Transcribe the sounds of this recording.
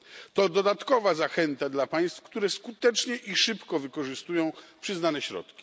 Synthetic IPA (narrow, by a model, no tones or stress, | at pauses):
t̪ɔd̪ɔd̪at̪kɔvazaxɛnt̪ad̪lapaj̃st̪fkt̪uɾɛskut̪ɛt͡ʂɲɛʔiʂɘpkɔvɘkɔʐɘst̪ujɔ̃w̃pʂɘznanɛɕɾɔ̰t̪kʲi̥